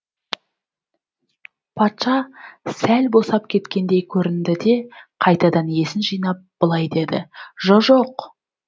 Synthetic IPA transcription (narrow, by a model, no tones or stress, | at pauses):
pʰɑt̪ʃɑsælbo̞sɑp̚kʲʰe̞t̪kʲe̞nd̪e̞jkʲʰɵɾɪnd̪ɪd̪e̞qʰɑjt̪ɑd̪ɑne̞sɪnʒijnɑp̚b̥əlˠɑjd̪e̞d̪ɪ̰ʒoʒo̞q